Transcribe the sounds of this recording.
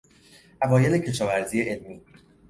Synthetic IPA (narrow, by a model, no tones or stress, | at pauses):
ʔævɒːje̞le̞cʰe̞ʃɒːvæɾziːje̞ʔelmiː